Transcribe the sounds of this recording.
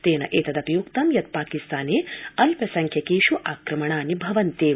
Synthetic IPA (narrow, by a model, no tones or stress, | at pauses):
t̪eːnɐ̰ʔeːt̪ɐd̪ɐpjukt̪ɐmjɐt̪̚paːkist̪aːneːɐlpɐsɐŋkʰjɐkeːʃuʔaːkɾɐmɐɳaːnibʱɐʋɐnt̪eː